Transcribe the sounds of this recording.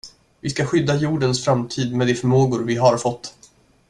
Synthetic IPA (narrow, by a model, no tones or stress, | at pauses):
vɪskaɧʏd̪ːajuːɖənsfɾamt̪ʰiːd̪mɛd̪ɛfœɾmoːɡʊɾvɪɦaɾfɔt̪ː